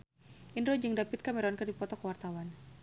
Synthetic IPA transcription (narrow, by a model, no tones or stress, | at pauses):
ʔindɾod͡ʒɨŋdapit̪̚kamɛɾɔnkərdipɔt̪ɔkəwart̪awan